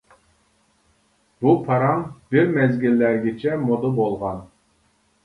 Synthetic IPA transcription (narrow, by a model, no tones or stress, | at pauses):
bupʰɑɾɑŋbiɾmɛzɡʲilːæɾɡʲit͡ʃʰɛmod̪əbolˠʁɑn